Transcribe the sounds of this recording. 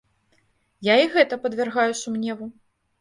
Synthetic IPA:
jaiɣɛt̪ɐpɐd̪vʲɛrɣajusumnʲɛvu

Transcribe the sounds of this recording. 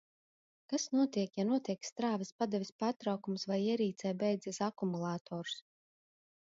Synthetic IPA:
kasnuɔt̪iɛkjanuɔt̪iɛkst̪ɾaːvispad̪ɛvʲispaːɾt̪ɾawkumsvajiɛɾiːt̪sɛjbʲɛjd̪zisakumulˠaːt̪ʰɔːɾu̥s

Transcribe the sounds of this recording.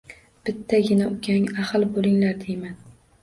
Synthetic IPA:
b̥ɪt̪ʰːaɡʲɪnaʊkʲʰaŋaχɨlˠbolˠɪŋlaɾd̪ejman

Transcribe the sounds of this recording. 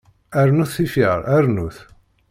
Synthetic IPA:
æɾnuθːifiɾˤæɾnuθ

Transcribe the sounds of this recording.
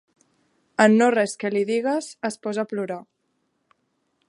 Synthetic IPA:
ənːorɛskəliðiɣ̞əzəspɔzapluɾa

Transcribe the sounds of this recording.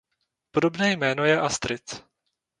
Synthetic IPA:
podobnɛːjmɛːnojɛʔast̪ɾɪt͡s

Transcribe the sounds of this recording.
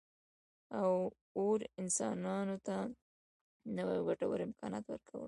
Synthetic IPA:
aw | oɾɪnsɑ̰nɑnot̪a | nawajɡaʈawə̰ɾɪmkʰɑnɑt̪wə̰ɾkʰawə̰l

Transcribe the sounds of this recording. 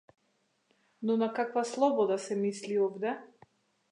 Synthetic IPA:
nɔnakakvaslˠɔbɔd̪asɛmisliɔbd̪ɛ

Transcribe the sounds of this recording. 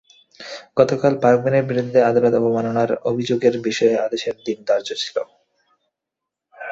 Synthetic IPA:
ɡ̥ɔt̪okalpaɾkbeneɾbiɾud̪ʱːead̪alot̪ɔbomanonaɾobʱid͡ʑoɡeɾbiʃɔead̪eʃeɾd̪ind̪aɾd͡ʑot͡ɕʰi̥lo

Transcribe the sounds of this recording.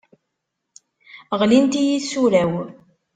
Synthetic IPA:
ʁlint̪ijiðsulæw

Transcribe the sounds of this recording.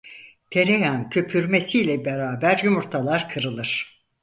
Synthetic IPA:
t̪ʰe̞ɾejancʰø̞pʰyɾmesilʲɛbeɾaːbæɾjymuɾt̪ʰalˠaɾkʰɯɾɯlˠɯɾ̥

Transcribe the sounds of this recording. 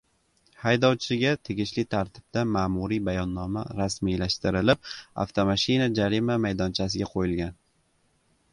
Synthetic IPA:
hajd̪ɒwt͡ʃʰɪɡʲat̪ʰeɡʲɪʃlɪt̪ʰaɾt̪ʰɪ̥b̚d̪amaːmuɾibajɒnːɒmaɾasmijlaʃt̪ɪɾɪlɪp̚a̰ft̪ʰomaʃɪnad͡ʒaɾimamajd̪ɒnt͡ʃʰas̬ɪɡʲaqʰojɪlɡʲan

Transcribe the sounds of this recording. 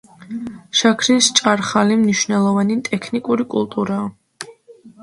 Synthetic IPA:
ʃakʰɾist͡ʃʼaɾχalimniʃvnɛlˠɔvanit̪ʼɛkʰnikʼuɾikʼulˠt̪ʼuɾaː

